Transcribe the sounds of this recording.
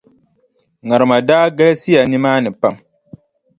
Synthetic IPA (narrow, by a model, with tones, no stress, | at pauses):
ŋa˨ɾɨ˨ma˨daː˦ɡɛ˦le˦si˦a˨nɪ˦maː˦nɨ˨pa˦˨m